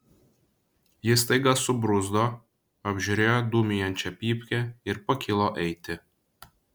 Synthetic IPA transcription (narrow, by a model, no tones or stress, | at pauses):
jɪs̬t̪ɐɪɡɐsʊbɾʊzd̪oː | ɐbʲʒʲʊɾʲeːjoːd̪uːmʲɪjɛnʲt͡ʃʲɛpʲiːpʲkʲɛɪɾpɐkʲɪlˠoːʔɛɪt̪ʲɪ